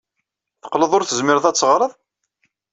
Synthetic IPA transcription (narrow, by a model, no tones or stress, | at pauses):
θə̥qləðˤʊɾθəzmɪɾðˤæt͡sːəʁɾˤəðˤ